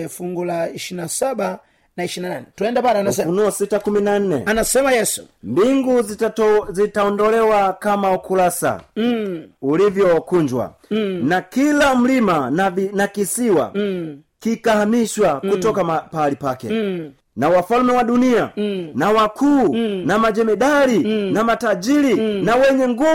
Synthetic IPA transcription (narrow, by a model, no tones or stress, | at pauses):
ɛfuŋɡulaiʃiɾinasaɓa | naiʃinananɛtuɛndapasɛfunuɔsitakuminan̩nɛ̰anasɛmajɛsu̥̰mbiŋɡu | zitaɔndɔlɛwakamaukulasa̰ | ulivjɔkuɲd͡ʒwa̰ | nakilam̩limanakisiwa̰ | kikahamiʃwakutɔkaapaalipakɛ̰ | nawafalmɛwaɗunianawakʰuːnamad͡ʒɛmɛɗalinamatad͡ʒiɾinawɛɲɛŋɡu